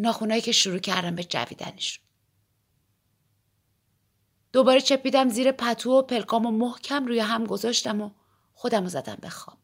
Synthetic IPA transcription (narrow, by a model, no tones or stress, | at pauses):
nɒːxunɒːjiːcʰeʃuɾuːcʰæɾd̪æmbed͡ʒæ̰vḭːd̪æ̰neʃu̥ | d̪̥o̞bɒːɾet͡ʃʰe̞piːd̪æmziːɾe̞pʰæt̪ʰuːopʰe̞lkʰɒːmomohcʰæmruːjeɦæmɡo̞zɒːʃt̪æmo̞ | xo̞d̪æmo̞zæd̪æ̰mbe̞xɒ̰ːb̥